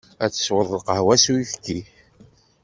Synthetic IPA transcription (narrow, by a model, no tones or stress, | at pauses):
æt͡sːə̥swəðˤlqəhwæsuiθkːi